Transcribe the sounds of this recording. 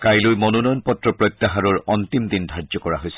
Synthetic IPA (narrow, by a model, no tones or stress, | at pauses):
kajlojmɔnɔnɔjɔnpɔtɹɔpɹɔjt̪ːaɦaɹɔɹɔnt̪imd̪indʱaɹzɔkɔɹa̰ɦojsɛ